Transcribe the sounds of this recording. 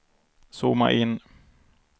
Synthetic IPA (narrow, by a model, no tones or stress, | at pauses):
suːma̰ʔɪnː